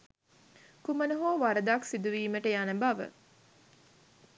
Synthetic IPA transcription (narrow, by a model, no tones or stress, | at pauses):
kumənəɦoːʋaɾəd̪aksid̪uʋiːməʈəjanəbaʋə̰